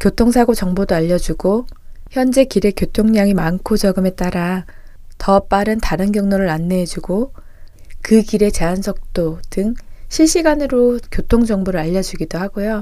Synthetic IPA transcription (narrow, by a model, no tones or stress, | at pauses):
kjotʰoŋsʰaɡot͡ɕʌŋbodoaʎːʌd͡ʑuɡoçjʌnd͡ʑe̞kiɾe̞kjotʰoŋɲaŋimankʰot͡ɕʌɡɯme̞t͈aɾa | tʌp͈aɾɯntaɾɯnɡjʌŋnoɾɯɭanːeːd͡ʑuɡo | kɯkiɾe̞t͡ɕe̞ansʰʌk̚t͈otɯŋɕʰiɭɕ͈iɡanɯɾokjotʰoŋd͡ʑʌŋboɾɯɭaʎːʌd͡ʑuɡidohaɡojo